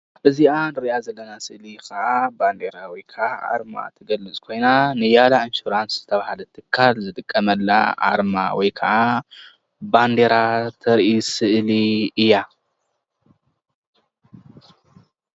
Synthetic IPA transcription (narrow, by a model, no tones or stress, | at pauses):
ʔɨziʔanɨɾiʔazɐlːɐnasɨʔlikɐʔaband̪eɾawijkʰɐʔaʔa̰ɾma̰t̪ʰɐɡɐlːɨt͡sʼkʰo̞jnanɨjalainʃuɾanszɨt̪ʰɐβahalɐt̪ʰɨkʰːalzɨt̪ʼɨkʼːɐmɐlːa̰ʔa̰ɾma̰wɔjkʰɐʔa | band̪eɾat̪ʰɐɾʔisɨʔliɨjːa